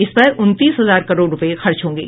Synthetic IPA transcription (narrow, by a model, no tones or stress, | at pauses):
ɪspəʔʊnt̪iːsɦɐzaːɾkɐɾoːɖɾʊpəexɐɾt͡ʃɦõːŋɡḛː